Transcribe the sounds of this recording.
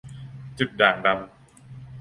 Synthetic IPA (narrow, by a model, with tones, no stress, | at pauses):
t͡ɕu˨˩t̪̚daː˨˩ŋda˧m